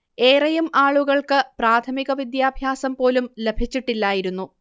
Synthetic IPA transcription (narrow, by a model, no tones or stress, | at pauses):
e̞ːrɐjumaːɭuɣɐɭkɨpraːt̪ʰɐmiɣɐʋid̪jaːbʱjaːsɐmpo̞ːlumle̞bʱit͡ɕːiʈːilːaːjiɾunːu